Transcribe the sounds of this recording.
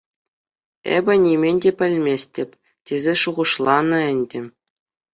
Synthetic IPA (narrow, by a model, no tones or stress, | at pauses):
ḛbʲɘ̆nʲimʲenʲdʲepʲɘ̆lʲmʲesʲtʲɘ̆pʲ | tʲezʲeʂuʁɤ̆ʂlˠɑnɤ̆ɘ̆nʲdʲɘ̆